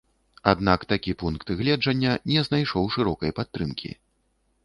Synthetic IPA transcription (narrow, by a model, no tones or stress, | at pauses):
a̰d̪nakt̪akʲipunkt̪ɣlʲɛd͡ʐɐnʲːɐnʲɛznajʂɔwʂɨɾɔkɐjpat̪ːɾɨmkʲʰḭ